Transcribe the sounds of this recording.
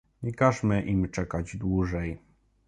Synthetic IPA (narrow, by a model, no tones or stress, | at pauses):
ɲikaʐmɘʔimt͡ʂɛkad͡ʑd̪wuʐɛj